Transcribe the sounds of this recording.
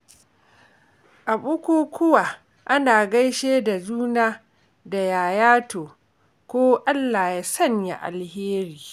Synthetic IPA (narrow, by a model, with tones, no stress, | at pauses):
ʔa˨ɓʊ˦kʷuː˦kʷʊ˦waː˨ | ʔa˦naː˨ɡa˦jʃeː˦da˨zuː˦naː˦ | da˨jaː˨jaː˦toː˨ | kʷoː˦ʔa˦lːa˨ja˦sɐ˦ɲja̰˨ʔa̰˨lheː˦ɾiː˨